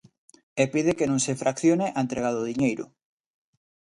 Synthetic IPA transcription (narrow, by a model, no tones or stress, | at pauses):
epiðekenõŋsefɾʔakθjoneʔaẽnt̪ɾeɣaðoðiɲejɾʊ̰